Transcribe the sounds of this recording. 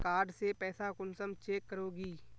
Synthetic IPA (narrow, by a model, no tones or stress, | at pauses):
kaːɾɖsepɛːsakʊnsəmt͡ʃeːkːəɾoːɡiː